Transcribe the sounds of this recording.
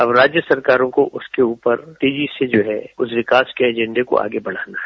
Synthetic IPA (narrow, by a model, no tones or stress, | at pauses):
ɐbɾaːd͡ʒjəsɐɾkaːɾõkoʔʊskeuːpəɾt̪eːd͡ʒised͡ʒoːɦɛʊsʋɪkaːskeɛd͡ʒɛ̃ɳɖeko̰ʔa̰ːɡebɐɽ̤aːnaɦɛɛ